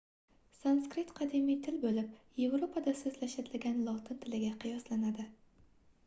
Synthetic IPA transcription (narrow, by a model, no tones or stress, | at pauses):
sanskɾɪt̪qʰɑd̪emijt̪ʰɪlbolɪpje̞vɾopʰad̪asɵzlaʃat̪lɪɡʲanlˠɒt̪ʰɪnt̪ʰɪlɪɡʲaqʰɨjɒslanad̪ɪ